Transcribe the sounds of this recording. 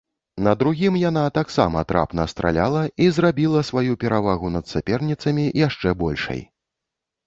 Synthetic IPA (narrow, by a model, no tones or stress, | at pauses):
nɐd̪ɾuɣʲimjanat̪aksa̰mɐ̰t̪ɾa̰pnɐst̪ɾa̰lʲa̰lˠɐizrabʲilˠɐsvajupʲɛɾavaɣunɐt̪sʲapʲɛrnʲit̪sɐmʲijaʂt͡ʂɛbɔlʲʂɐ̰j